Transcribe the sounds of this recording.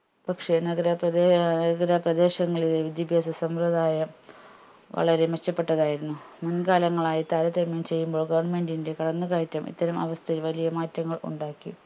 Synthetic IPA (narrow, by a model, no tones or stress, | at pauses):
pɐkʂe̞nɐɡɾɐprɐeɐɡɐɾɐprɐd̪e̞ːɕɐŋːɐɭileʋid̪jɐbʱjaːsɐsɐmrɐd̪aːjɐm | ʋɐ̰ɭɐɾe̞met͡ɕːɐpːe̞ʈːɐðaːjiɾunːumunɡaːlɐŋːɐɭaːjit̪aːɾɐt̪ːɐmːɐmt͡ɕe̞jːumbo̞ːɭɡɐʋɐrɳme̞ndinde̞kɐɽɐnːukaːjtʲːjɐmʔḭt̪ːɐɾɐmɐ̰ʋɐst̪ʰɐilʋɐlijɐmaːtːɐŋːɐɭṵɳɖaːkːḭ